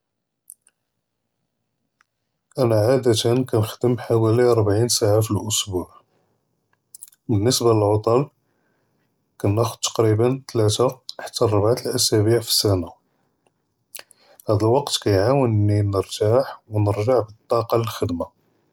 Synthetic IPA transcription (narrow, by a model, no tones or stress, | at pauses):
ʔænæʕad̪æt̪ənkænəxd̪əmħawæliɾˤbʕinsaʕafilʔʊsbuʕ | bənːəsbaləlʕot̪ˤɑl | kænːæxʊd̪̚t̪ːɑ̥qɾibənt̪læt̪aħə̥t̪ːærˤːɑbʕat̪əlʔæsæbiʕfi̥sæna | hæd̪əlwɑqt̪kæjʕawənːinəɾt̪aħwnəɾʒaʕbət̪ˤːɑqɑləlxəd̪ma